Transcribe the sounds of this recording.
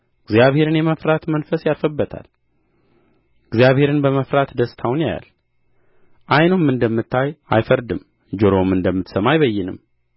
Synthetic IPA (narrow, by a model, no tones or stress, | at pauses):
ɨɡzijaβhe̞ɾɨnjɛməfɾat̪mənfəsjalfəbːət̪ʰa̰l | ɨɡzijaβhe̞ɾɨnbəməfɾat̪d̪əst̪ʰawnja̰ja̰l | ʔajnomːɨnd̪əmːɨt̪ʰːaja̰jfəɾd̪ɨm | d͡ʒoɾomɨnd̪əmːɨt̪səmajβəjːɪnɨm